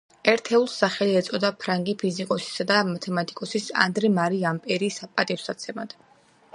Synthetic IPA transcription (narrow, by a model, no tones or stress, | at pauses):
ɛɾt̪ʰɛulˠsaχɛliɛt̪sʼɔd̪apʰɾaŋɡipʰizikʼɔsi̥sad̪amat̪ʰɛmat̪ʼikʼɔsisa̰nd̪ɾɛmaɾiampʼɛɾisapʼat̪ʼifsat̪sʰɛmad̪̥